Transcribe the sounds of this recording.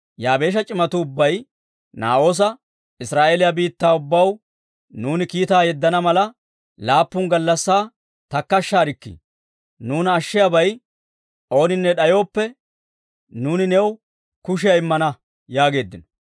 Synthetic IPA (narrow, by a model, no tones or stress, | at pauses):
jaːbe̞ːʃ̬ɐt͡ʃʼɪmɐt̪ʊːʊbːɐj | na̰ːo̞ːs̬ɐ | ɪsɾaːʔeːlɪjabiːt̪ːaːʊbːɐw | nuːnɪkiːt̪aːjɛd̪ːɐnɐmɐlɐ | laːpːʊŋɡɐlːɐsːaː | t̪ɐkːɐʃːaːɾɪkːḭ | nuːnɐʃːɪjabɐj | ʔo̞ːnɪnːɛɗɐjo̞ːpːɛ | nuːnɪnɛw | kʊʃ̬ɪjɐɪmːɐnɐ | jaːɡe̞ːd̪ːɪnɔ